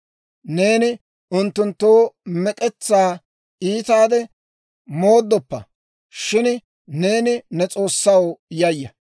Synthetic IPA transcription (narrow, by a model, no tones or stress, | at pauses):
ne̞ːnɪ | ʊnt̪ːʊnt̪ːoːmɛkʼɛt͡sːaː | iːt̪aːd̪ɛ | mo̞ːd̪ːɔpːɐ̰ | ʃɪn | ne̞ːnɪnɛt͡sʼo̞ːsːɐwjɐjːɐ